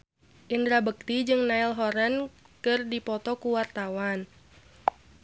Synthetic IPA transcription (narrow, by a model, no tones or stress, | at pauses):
ʔindɾabək̚t̪id͡ʒɨŋnailɦɔɾɛnkɨrdipɔt̪ɔkuwart̪awan